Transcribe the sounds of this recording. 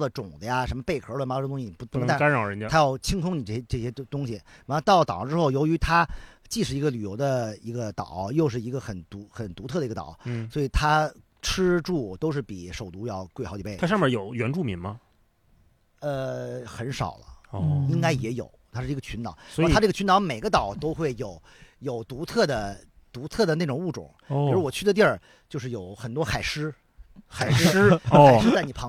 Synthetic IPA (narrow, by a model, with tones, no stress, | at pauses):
lə˨˩ʈ͡ʂʊ˨˩ŋd̪ə˦ja˧ʂə˧˥nmə˧pe˥˩ɪkʰə˞˧˥lə˧m˧˥˧t̪ʊ̃˥˩ɕi˩˨˩a˥ɻɑ˨˩ɻə˧˥n˧t̪ʰa˥jɑ˥˩ʊt͡ɕʰi˥ŋsʰʊ˥ŋni˨˩ʈ͡ʂɤ˥˩ɛ˥ʈ͡ʂɤ˥˩ɕjɛ˥t̪ʊ˥ŋɕi˨m˧˥˧t̪ɑ˥˩ʊlt̪ɑ̰˨˩ləʈ͡ʂɻ̩˥xo˥˩ʊjo˧˥ʊy˧˥t̪ʰa˥t͡ɕi˥˩ʂ̬ɻ̩˥˩i˧˥ɡə˧ly˨˩jo˧˥ʊd̪ə˧i˧˥ɡə˧t̪ɑ˨˩˦jo˥˧ʊʂ̬ɻ̩˥˩i˧˥ɡə˧xə˨˩nt̪u˧˥xə˨˩nt̪u˧˥ɤ˥˩d̪ə˩i˧˥ɡə˧t̪ɑ̰˨˩ʊ˥˩swɔ˧˥i˨˩t̪ʰa˥ | ʈ͡ʂʰɻ̩˥ʈ͡ʂu˥˩t̪o˥ʊʂɻ̩˥˩pi˨˩ʂo˨˩ʊt̪u˧˥jɑ˥˧ʊkwe˥˩ɪxɑ˧˥t͡ɕi˨˩pe˥˩tʰa˥ʂmə˨˧˩jo˨˩ʊɥɛ˧˥nʈ͡ʂu˥˩mi˧˥ŋmɐ˧ | ə˧xə˧˥nʂɑ̰˨˩ʊlə̰˦i˥ŋka˥ɪjɛ˧˥jo̰˨˩˦ʊt̪ʰa˥ʂɻ̩˥˩˧ɡə˧t͡ɕʰy˧˥nt̪ɑ˨˩˦wɔ˧˥˨t̪ʰʈ͡ʂɤ˥˩ɡə˩t͡ɕʰy˧˥nt̪ɑ˧˥ʊme˨˩ɪɡə˦t̪ɑ˨˩˦ʊt̪o˥ʊxwe˥˩ɪjo˨˩˦ʊ | jo˨˩ʊt̪u˧˥t̪ʰɤ˥˩d̪ə˩ | t̪u˧˥t̪ʰɤ˥˩d̪ə˩ne˥˩ʈ͡ʂʊ˨˩ŋu˥˩ʈ͡ʂʊ̰˨˩˦ŋi˧˩ɻu˥˩wɔ˨˩t͡ɕʰy˥˩d̪ə˩t̪jɛ˥˩ | t͡ɕjo˥˧ʊʂɻ̩˥˩jo˨˩ʊxə˨˩nt̪wɔ˥xa˨˩ɪʂɻ̩˥ | xa˨˩ɪʂʂɻ̩˥xa˨˩ʂɻ̩˥t͡sa˥˩n˨˩pʰɑ˧˥